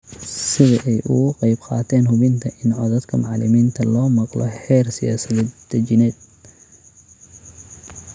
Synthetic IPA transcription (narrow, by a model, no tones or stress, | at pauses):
sɪðɐʔɛjʔʊ̰ɣʊqɑjbqɑ̰ːt̪ʰɛːnhʊβɪnt̪ʰɐʔɪnʕɔðɐd̪kʰɐmɑʕlɪmiːnt̪ʰɐlɔːmɑqlɔ̰ħɛːrsɪja̰ːsɐðɛːd̪d̪ɐt͡ʃɪnɛːd̪̥̚